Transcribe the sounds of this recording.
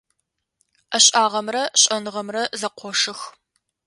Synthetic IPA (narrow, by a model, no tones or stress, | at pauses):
ɐɕʼaːʁɐmrɐɕʼɐnɨʁɐmrɐzɐqʷʰɔʂɨx